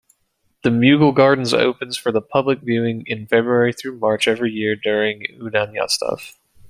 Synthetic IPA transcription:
ðɨmjʉɡl̩ˠɡɑɹdⁿn̩zo̰ʊpɨ̃nz̥fə˞ðəpʰʌblɨkvjʉɪ̃ŋɪ̃nfɛbɹuɛɹiθɹʉmɑɹt͡ʃɛvɹijɪɹdʊɹɪ̃ŋʉdæ̃njɑ̰stʰʌ̰f

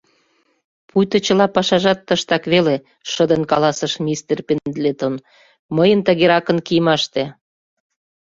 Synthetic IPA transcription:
pujt̪ə̆t͡ɕə̆lɑpɑʃɑʒɑt̪ːəʃt̪ɑkβele | ʃəd̪ənkɑlɑsəʃmʲist̪erpend̪let̪on | məjənt̪əɣeɾɑkə̆nkijəmɑʃt̪e

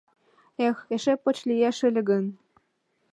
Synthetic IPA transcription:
exeʃepːŏt͡ɕlʲijæʃɘ̆lʲɘ̆ɡə̆n

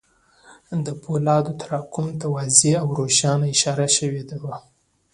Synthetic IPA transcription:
d̪əpʰolɑd̪ot̪aɾɑkʊmt̪awazeawɾoʃɑnaɪʃɑɾaʃəwed̪awa

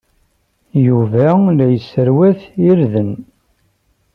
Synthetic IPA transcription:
juvælæjəsːəɾwæθiɾðən

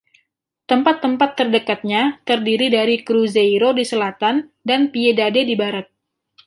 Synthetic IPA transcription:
t̪əmpat̪ːəmpat̪ːərdəkat̪̚ɲat̪ərdiɾidaɾikɾuzejɾodisəlat̪andanpiedadedibaɾat̪̚

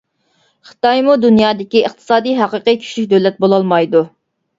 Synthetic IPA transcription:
χɨ̥t̪ɑjmud̪unjɑːd̪ɪkʲiəχt̪ʰɨ̥sɑːd̪ijɦɑqəqijkʲʰy̥ʃlykʲd̪ølɛt̪̚bolˠɑlˠmɑjd̪u

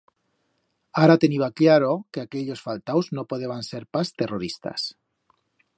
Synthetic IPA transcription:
aɾat̪e̞niβaklaɾokeake̞ʎosfalt̪awznopoðeβanseɾpast̪e̞roɾist̪a̰s

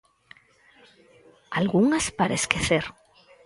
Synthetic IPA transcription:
alɣuŋaspaɾaeskeθeɾ

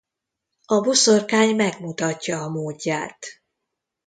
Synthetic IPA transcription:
ɒbosorkaːɲmɛɡmut̪ɒcːɒːmoːɟːaːt̪

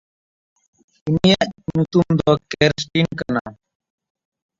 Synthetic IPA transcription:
inijaʔnut̪umd̪ɔkeɾsʈinkɐna̰

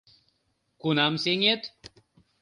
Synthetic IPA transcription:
kunamseŋet̪

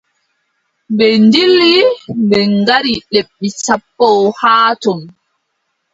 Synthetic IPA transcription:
bɛndilːibɛŋɡaɾiɗeɓːisapːɔwhaːtɔn

